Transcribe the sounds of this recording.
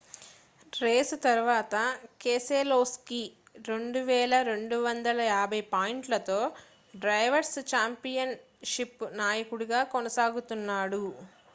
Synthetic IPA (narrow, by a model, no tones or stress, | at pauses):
ɾeːsut̪ɐɾuʋaːt̪ɐkeːseːloːski | ɾe̞ɳɖuʋɛːlɐɾe̞ɳɖuʋɐnd̪ɐlɐjaːbʱɐjpaːjiɳʈlɐt̪o̞ː | ɖɾɐjʋɐɾst͡ʃaːmpijɐn | ʃipnaːjɐkuɽuɡaːkonɐsaːɡut̪unːaːɽu